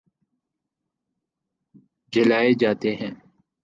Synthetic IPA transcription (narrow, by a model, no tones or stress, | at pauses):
d͡ʒɪlaːeːd͡ʒaːt̪eːɦɛ̃ː